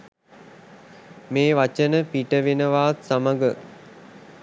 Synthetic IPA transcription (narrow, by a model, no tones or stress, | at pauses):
meːʋat͡ʃənəpiʈəʋenəʋaːt̪saməɡə